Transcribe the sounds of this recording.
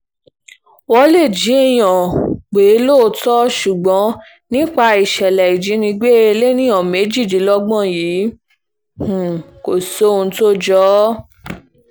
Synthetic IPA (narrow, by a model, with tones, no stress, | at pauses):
wɔ˧˦le˦˨d͡ʒi˨˦e˦˨j̃ɔ̃˨ɡ͡be˨˦loː˦˨˧tɔ˦ʃu˨ɡ͡bɔ̃˨˦ | nĩ˦k͡pa˧i˨ʃɛ˨lɛ˨i˨d͡ʒi˨˦nĩ˧ɡ͡be˦e˧le˦nĩ˦ɔ̃˨me˨˦d͡ʒi˦˨d͡ʒi˨˦lɔ˦ɡ͡bɔ̃˦˨jiː˨˦˨ | ko˨so˦˧ũ˧to˦d͡ʒɔ˦